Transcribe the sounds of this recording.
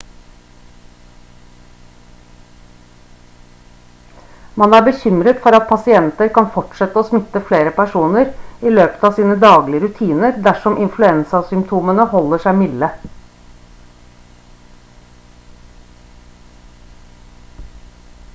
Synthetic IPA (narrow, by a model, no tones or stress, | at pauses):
mɑnæːbəçʏmɾət̪fɔɾɑt̪̚pʰɑsɪɛnt̪əɾkɑnfɔʈʂɛt̪ːəoːsmɪt̪ːəfleːɾəpʰæʂuːnəɾɪløːpə̥t̪ɑːsiːnəd̪ɑːɡlɪəɾʉt̪ʰiːnəɾd̪æʂɔmʔɪnflʉɛnsɑsʏmpt̪ʰuːmənəhɔlːəʂæɪmɪlə